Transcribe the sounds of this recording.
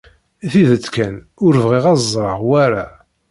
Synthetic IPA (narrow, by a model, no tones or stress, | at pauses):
θiðət͡sːkæn | ʊɾəvʁiʁɑzˤɾˤəʁwæɾa